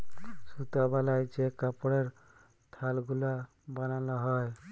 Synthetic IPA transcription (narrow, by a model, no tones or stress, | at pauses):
sut̪abalajd͡ʒekapɽeɾ | t̪ʰalɡula | banalaɦɔj